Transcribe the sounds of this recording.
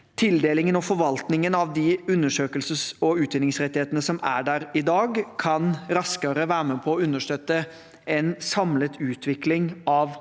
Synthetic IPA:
t̪ʰɪld̪eːlɪŋənɔfɔɾʋɑlt̪nɪŋənɑʋd̪ɪʉnːəʂøːkəlsəsɔʉːt̪ɛnɪŋsɾɛt̪ːɪheːt̪ənəsɔmæ̰ɖæɾɪd̪ɑːɡkʰɑnɾɑskəɾəʋæːɾəmɛpʰɔːʉnːəʂt̪œt̪ːə | ɛnsɑmlət̪ʉːt̪ʰʋɪklɪŋɑʋ

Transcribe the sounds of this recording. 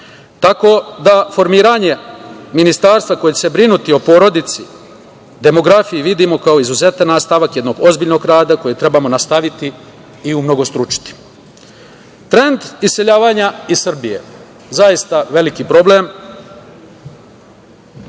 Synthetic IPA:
t̪ako̞d̪afo̞ɾmiːɾaɲe̞minist̪aːɾst̪ʋako̞jet͡ɕesebɾinut̪io̞po̞ːɾo̞d̪it̪si | d̪e̞mo̞ɡɾafijiʋid̪imo̞kaoizuze̞t̪anːast̪aʋakje̞d̪no̞ɡo̞zbiːʎno̞ɡɾaːd̪ako̞jet̪ɾe̞bamo̞nast̪aʋit̪iː | umno̞ɡo̞st̪ɾut͡ʃi̥t̪i̥ | t̪ɾe̞nd̪iseʎaːʋaɲaisr̩bije̞̰ | zajist̪aʋe̞likipɾo̞ble̞m

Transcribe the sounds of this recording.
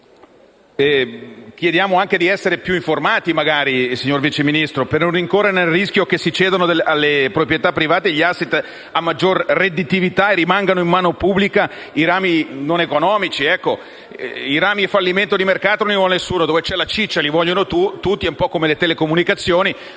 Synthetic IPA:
ɛkjed̪jaːmoaŋk̟ed̪iɛsːeɾepjuiɱformaːt̪imaɡaːɾisiɲːorvit͡ʃeminist̪ɾopernonːiŋkoːrːenelrisk̟jok̟esːit͡ʃɛːd̪onod̪ealːepɾopɾjet̪apːɾivaːt̪eʎːiasːet̪ː | amːad͡ʒːorred̪it̪ivit̪aerimaŋɡanoimmaːnopubːlika | iɾaːminonekonɔːmit͡ʃiɛkːo | iɾaːmiefalːiment̪od̪imerkaːt̪ononivɔlnesːuːnod̪oːvet͡ʃɛlat͡ʃit͡ʃːalivɔʎːonot̪ut̪ut̪ːieumpɔkːomelet̪elekomunikat̪sːjoːni

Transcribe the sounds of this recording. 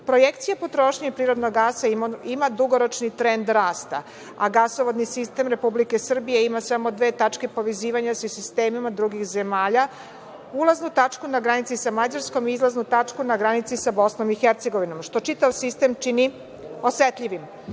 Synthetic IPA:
pɾo̞jekt̪sijapo̞t̪ɾo̞ːʃɲaipɾiːɾo̞d̪noɡːaːsaimad̪uɡoɾo̞t͡ʃnit̪ɾe̞nd̪ɾaːst̪a | aɡasoʋod̪nisist̪e̞mɾe̞publike̞sr̩bije̞imasamo̞d̪ʋe̞ːt̪at͡ʂke̞po̞ʋeziːʋaɲasisist̪eːmimad̪ɾuɡixzemaːʎa | ulˠaznut̪at͡ʂkunaɡɾanit̪sisamad͡ʑaɾsko̞miizlaznut̪at͡ʂkunaɡɾanit̪sisabo̞snomixeɾt̪se̞ɡo̞ʋino̞mʃt̪o̞t͡ʃit̪aʋsist̪e̞mt͡ʃini | o̞sʋet̪ʎiʋim

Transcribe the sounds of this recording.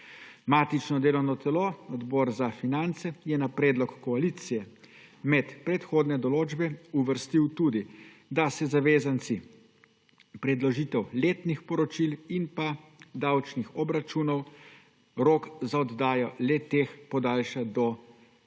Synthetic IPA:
maːt̪it͡ʃnɔd̪eːlɔwnɔt̪ɛloɔd̪bɔːɾzafinant̪sɛjɛnapɾɛːd̪lɔkːɔalit̪sijɛ | mɛt̪pɾɛt̪xoːd̪nɛd̪ɔloːd͡ʒbɛuʋəɾst̪iwt̪uːd̪i | d̪asɛzaʋeːzant̪si | pɾɛd̪lɔʒiːt̪ɛwleːt̪nixpɔɾɔt͡ʃilinpad̪awt͡ʃnixɔbɾat͡ʃuːnɔw | ɾoːkzaɔd̪d̪aːjɔlɛt̪eːxpɔd̪aːlʃad̪ɔ

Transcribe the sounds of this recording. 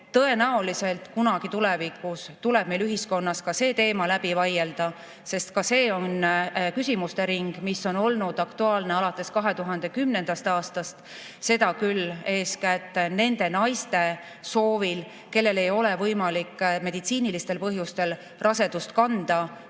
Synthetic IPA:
t̪ɤe̞næolise̞lt̪kunɑɡ̥it̪ule̞vikːˑust̪uleb̥̚me̞lyɦisko̞nːɑskɑse̞ːt̪e̞ːmɑlæb̥ivɑjeld̪̥ɑ | se̞st̪kɑse̞ːo̞nkysʲimust̪e̞ɾiŋɡ̥misːo̞no̞lnud̪̥ɑkt̪uɑːlne̞ɑlɑt̪ːˑe̞skɑɦe̞t̪uɦɑnd̪e̞kymne̞nd̪̥ɑst̪ɑːst̪ɑst̪ | se̞t̪ɑkylːe̞ːskæt̪ˑːne̞nd̪e̞nɑjst̪e̞ | so̞ːvil | ke̞lːe̞le̞jo̞le̞vɤjmɑlikːme̞d̪it̪siːnilist̪e̞lpɤ̞ɦjust̪e̞l | rʔɑse̞d̪̥ust̪kɑnd̪̥ɑ

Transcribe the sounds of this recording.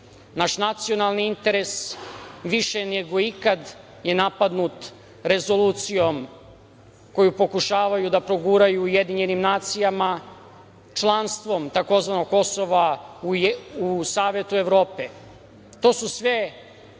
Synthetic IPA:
naːʃnat̪sio̞nalˠniint̪e̞ɾe̞sʋiʃeneɡo̞ikad̪ | je̞napad̪nut̪ | ɾe̞zo̞luːt̪sijo̞m | ko̞jupo̞kuʃaːʋajud̪apɾo̞ɡuːɾajuːje̞d̪iɲenimnaːt̪sijama | t͡ʃlˠanst̪ʋo̞mt̪ako̞zʋanoɡko̞soʋauusaːʋe̞t̪ue̞ʋɾo̞ːpe | t̪o̞ːsusʋe

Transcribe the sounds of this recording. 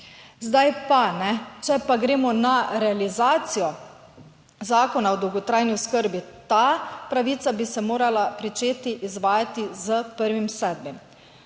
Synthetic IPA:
zd̪ajpanɛt͡ʃɛpaɡɾeːmɔnaɾɛalizaːt̪sijɔ | zaːkɔnaɔd̪ɔwɡɔt̪ɾaːjnioskəɾbit̪apɾaʋiːt̪sabisɛmoːɾalapɾit͡ʃeːt̪iʔizʋaːjat̪izəpəɾʋimsɛːd̪̚bim

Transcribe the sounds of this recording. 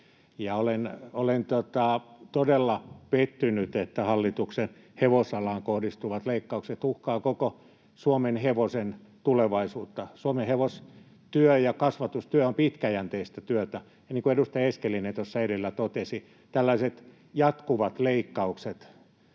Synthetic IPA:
jɑolenolent̪ot̪ɑt̪odelːɑpet̪ːynyt̪et̪ːæhɑlːit̪uksen | heʋosɑlɑŋkohdist̪uʋɑt̪leikːɑukset̪uhkɑːkoko | suomenheʋosent̪uleʋɑisuːt̪ːɑsuomeheʋos | t̪yøjɑkɑsʋɑt̪ust̪yæompit̪kæjænt̪eist̪æt̪yøt̪æ | jɑniːŋkuedust̪ɑjeskelːinent̪osːɑedelːæt̪ot̪esi | t̪ælːɑiset̪ | jɑt̪kuʋɑt̪leikːɑukset̪

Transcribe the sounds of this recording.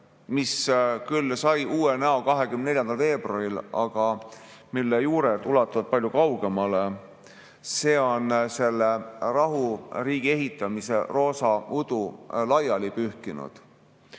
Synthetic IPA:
miskylːsɑjuːenæo̞kɑɦe̞kymnne̞lʲjɑnd̪̥ɑlve̞ːb̥rɑrilɑ̰ɡ̥ɑmilːejuːɾet̪ulɑt̪ːˑuɑvɑ̥pɑlʲjukɑwɡ̥e̞mɑle̞ | se̞ːo̞nse̞lːerɑɦuriːɡ̥ie̞ɦit̪ˑːɑmise̞ro̞ːsɑud̪̥ulɑjɑlipyhkinṵd̪̥

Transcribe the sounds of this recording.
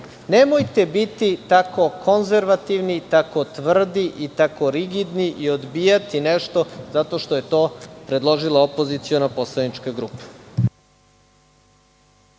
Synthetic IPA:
nemojt̪e̞bit̪it̪ako̞ko̞nzeɾʋat̪iʋnit̪ako̞t̪ʋr̩d̪iʔit̪ako̞ɾiɡid̪niʔiod̪biːjat̪ineʃt̪o̞zat̪o̞ʃt̪oje̞t̪o̞ːpɾe̞d̪lˠo̞ʒilˠaopo̞zit̪sionapo̞slˠanit͡ʃkaɡɾuːpḁ

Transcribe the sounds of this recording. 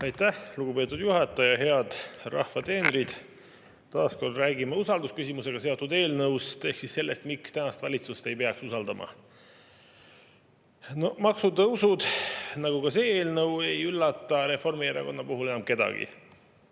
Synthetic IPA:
ɑjt̪ːæhluɡ̥upe̞ːt̪ːˑud̪̥juɦɑt̪ːˑɑjɑɦe̞ɑd̪̥rɑ̰hvɑt̪e̞ːneɾid̪̥ | t̪ɑːsko̞rd̪ræːɡimɑusɑld̪uskysimuse̞ɡ̥ɑse̞ot̪ːˑud̪e̞ːlnɤwst̪e̞hksisse̞lːe̞st̪mikst̪ænɑst̪vɑlʲit̪sust̪e̞jpe̞ɑksusɑld̪ɑmʔɑ̰ | nomɑksud̪ɤusud̪̥nɑɡ̥uɡɑse̞ːeːlnɤwe̞jylːɑt̪ːˑɑɾe̞fo̞rmieɾɑ̰ko̞nːɑpuɦule̞nɑmke̞d̪ɑ̰ɡ̥ḭ

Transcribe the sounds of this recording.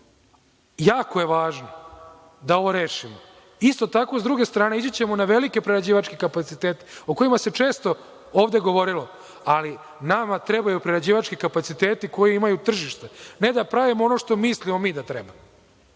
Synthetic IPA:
jaːkoje̞ʋaːʒno | d̪ao̞ʋo̞ɾeːʂimo | ist̪o̞t̪ako̞sd̪ɾuɡe̞st̪ɾaːne̞id͡ʑet͡ɕemonaʋe̞like̞pɾeɾad͡ʑiːʋat͡ʃkikapat̪sit̪eːt̪e̥oko̞imase̞t͡ʂe̞ːst̪o̞ | oːʋd̪e̞ɡo̞ʋo̞ɾilo | ali | namat̪ɾebajupɾeɾad͡ʑiːʋat͡ʃkikapat̪sit̪eːt̪iko̞jiimajut̪r̩ʒiʃt̪ene̞d̪apɾaʋimoo̞noʂt̪o̞mislimo̞miːd̪at̪ɾebamo

